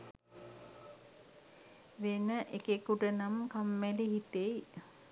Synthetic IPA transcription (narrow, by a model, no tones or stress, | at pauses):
ʋenəʔekekuʈənamkamːæliɦit̪ej